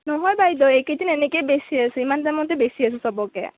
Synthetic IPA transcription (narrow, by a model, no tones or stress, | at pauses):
nɔɦɔjbajd̪ɔeked̪inenekajbesiasuimant̪amɔnt̪ebesias̬usɔbɔkḛ